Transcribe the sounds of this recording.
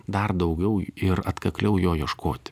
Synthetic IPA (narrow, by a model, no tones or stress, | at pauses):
d̪ɐrd̪ɐʊɡʲɛʊɪɾɐt̪kɐklʲɛʊjoːjɛʃkʰoːt̪ʲɪ̥